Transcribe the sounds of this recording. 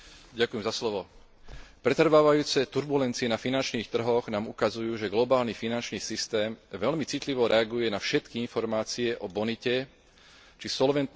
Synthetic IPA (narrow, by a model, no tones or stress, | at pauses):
ɟakujɛmzaslɔʋɔ | pɾɛt̪r̩ʋaːʋajuːt͡sɛt̪uɾbulɛnt͡siɛnafinant͡ʃniːxt̪r̩ɦɔɣnaːmukazujuːʒɛɡlɔbaːlnifinant͡ʃniːsist̪ɛːmʋɛlmit͡sit̪liʋɔɾʔɛaɡujɛnafʃɛt̪kiinfɔɾmaːt͡siɛʔɔbɔnicɛ | t͡ʃisɔlʋɛnt̪